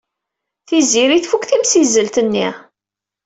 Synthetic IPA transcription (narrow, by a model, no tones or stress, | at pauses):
θiziɾiθfukθimsizəlt̪ənːi